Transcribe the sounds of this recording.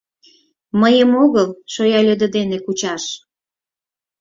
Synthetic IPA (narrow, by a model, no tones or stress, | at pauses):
məjəmoɣəlʃojɑlʲød̪ə̆d̪enekut͡ɕɑʃ